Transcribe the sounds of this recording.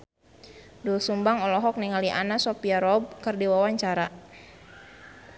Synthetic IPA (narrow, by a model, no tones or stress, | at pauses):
dulsumbaŋɔlɔɦɔk̚niŋaliʔanasopiaɾɔb̚kərdiwawaɲt͡ʃaɾa